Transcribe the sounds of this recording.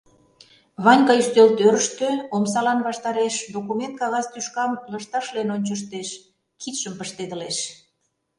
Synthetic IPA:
βɑnʲkɑyʃt̪ølt̪øɾəʃt̪øomsɑlɑnβɑʃt̪ɑɾeʃd̪okument̪̚kɑɣɑzt̪yʃkɑmləʃt̪ɑʃlenonʲt͡ɕəʃ̬t̪eʃ | kʰit̪ʃəmpəʃt̪ed̪ə̆leʃ

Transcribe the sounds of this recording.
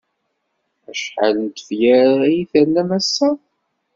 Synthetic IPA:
æʃħalənt̪ə̥fjæɾæjiθænːæmæsːæ

